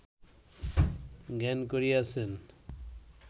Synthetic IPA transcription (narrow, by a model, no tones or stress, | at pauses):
ɡɛnkoɾiasen